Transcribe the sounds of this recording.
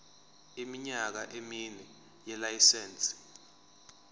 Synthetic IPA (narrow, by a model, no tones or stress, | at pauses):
imiɲak̬aʔeminɛ | jɛlajisɛːnt͡sʼ